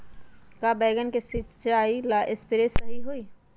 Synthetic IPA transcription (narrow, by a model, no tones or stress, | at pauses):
kabɛːɡənkesit͡ʃt͡ʃaːilaʔespɪɾesɐɦiɦoi